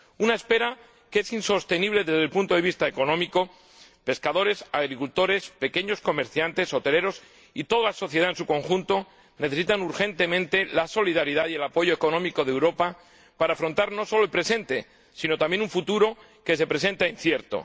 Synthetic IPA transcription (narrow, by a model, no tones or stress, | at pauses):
unaespe̞ɾa | keesinso̞st̪e̞niβ̞le̞ðe̞zðe̞lpunt̪oeist̪aeko̞nõmiko̞ | pe̞skaðo̞ɾe̞saɣ̞ɾikult̪o̞ɾe̞spe̞ke̞ɲo̞sko̞me̞ɾθjant̪e̞so̞t̪e̞le̞ɾo̞s | it̪o̞ðalaso̞θje̞ð̞aensuko̞ŋxunt̪o̞ | ne̞θe̞sit̪anuɾxe̞nt̪e̞mẽnt̪e̞laso̞liðaɾiðaðie̞lapo̞ʝo̞eko̞nõ̞miko̞ðewɾo̞pa | paɾaːfɾo̞nt̪aɾno̞so̞loelpɾe̞se̞nt̪e̞ | sino̞t̪ambje̞nũɱfut̪uɾo̞ | ke̞se̞pɾesẽ̞nt̪ainθje̞ɾt̪o̞̰